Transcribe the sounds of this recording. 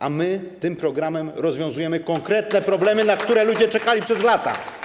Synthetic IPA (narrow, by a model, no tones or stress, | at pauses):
ʔamɘt̪ɘmpɾɔɡɾamɛmɾɔzvʲjɔ̃w̃zujɛmɘkɔŋkɾɛt̪nɛpɾɔblɛmɘnakt̪uɾɛlud͡ʑɛt͡ʂɛkalʲipʂɛzlat̪a̰